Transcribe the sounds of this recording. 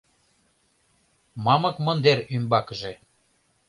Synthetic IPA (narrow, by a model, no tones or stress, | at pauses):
mɑmɤ̆kmɤ̆nd̪erymbɑkəʒe